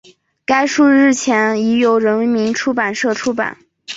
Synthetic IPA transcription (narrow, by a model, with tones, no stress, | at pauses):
ka˥ɪʂu˥˧ɻɻ̩˥˩t͡ɕʰjɛ˧˥ni˧˥jo˧˥ʊɻə˧˥n˧˥mi˧˥nʈ͡ʂʰu˥pa˨˩nʂɤ˥˩ʈ͡ʂʰu˥pa̰˨˩˦n